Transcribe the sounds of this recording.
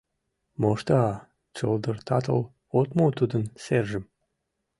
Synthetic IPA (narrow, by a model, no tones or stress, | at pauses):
moʃt̪ɑ | t͡ʃɤld̪ərt̪ʰɑt̪ə̰l | ot̪mot̪ud̪ənserʒə̆m